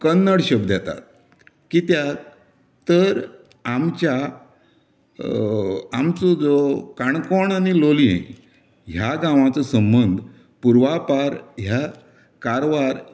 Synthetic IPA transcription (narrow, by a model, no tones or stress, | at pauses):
kənːəɽɕəbd̪jat̪a̰t̪̚ | kit̪ja | t̪əɾ | amt͡ɕja | amt͡sod͡zokaɳkɔɳanilolḭ̃ | ɦjaɡãʋ̃at͡səsəmbənd̪ʱ | puɾʋapaɾɦja | kaɾʋaɾ